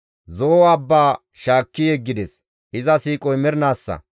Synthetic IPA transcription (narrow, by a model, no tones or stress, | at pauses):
zoːwaːbːaː | ʃaːkːɪjɛɡːɪd̪ɛs | ɪzɐsiːkʼɔjmɛɾnaːsːɐ̰